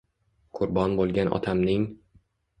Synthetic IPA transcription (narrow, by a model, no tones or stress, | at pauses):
qʰʊɾbɒnbolˠɡʲanʔɒ̰t̪ʰamnɪŋ